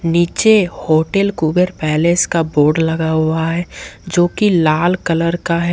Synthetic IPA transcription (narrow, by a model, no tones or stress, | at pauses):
niːt͡ʃehoːʈelkuːbəɾpɛːleːskaboːɾɖlɐɡaɦuaɦɛːd͡ʒoːkilaːlkələɾkaɦɛ